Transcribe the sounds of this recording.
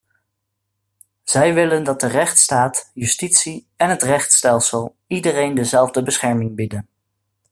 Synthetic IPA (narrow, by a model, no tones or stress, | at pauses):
z̥ɛjʋɪləndɑt̚dərɛχtstaːtjʉstitsi | ɛnɦətrɛχtstɛlˠsəlˠ | idərejndəzɛlˠvdəbəsχɛɹmɪŋbidən